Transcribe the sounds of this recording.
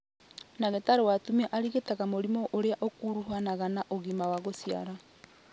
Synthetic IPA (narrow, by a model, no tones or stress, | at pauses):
naɣetaɾowatumiaʔaɾiɣetaɣamoɾimɔʔoɾeaʔokuɾuɦanaɣanaʔoɣimawaɣosia̰ɾa